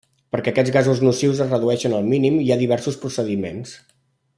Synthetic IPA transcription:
pəɾkɛəkɛd͡zɣazuznusiwzəzrəðuɛʃənəlˠminimiaðiβ̞ɛɾsuspɾusəðimḛns

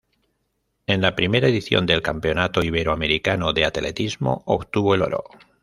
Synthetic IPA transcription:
e̞nlapɾime̞ɾaeðiθjond̪e̞lkampe̞o̞nat̪oiβe̞ɾoame̞ɾikanoðeat̪ele̞̰t̪izmo̞̰oβt̪uβo̞eloɾo̰

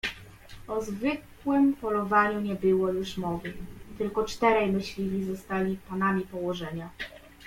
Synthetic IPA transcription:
ɔzvɘk | wɘmpɔlɔvaɲuɲɛbɘwɔjuʂmɔvɘmt̪ɘlkɔt͡ʂt̪ɛɾɛjmɘɕlʲilʲizɔst̪alʲipanamʲipɔwɔʐɛɲa

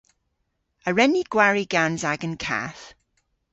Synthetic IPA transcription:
əɹɛniɡ̥waɹiɡanzaɡə̃nkʰa̰θ

